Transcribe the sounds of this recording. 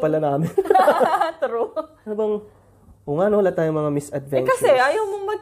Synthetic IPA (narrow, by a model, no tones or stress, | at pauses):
pɐlɐnaːmɪn | t̪ɾo | abɐŋ | hʊŋaːnowɐlat̪aːjoŋmɐŋamɪsɐd̪vɛnkɐsɛʔɐjɐwmoŋmɐ